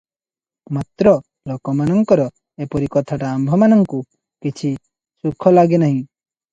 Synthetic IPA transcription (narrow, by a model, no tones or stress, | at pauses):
mat̪ɾɔ | lɔkɔmanɔŋkɔɾɔ | epɔɾikɔt̪ʰaʈaːmbʱɔmanɔŋku | kit͡ʃʰi | sukʰɔlaɡenaɦĩ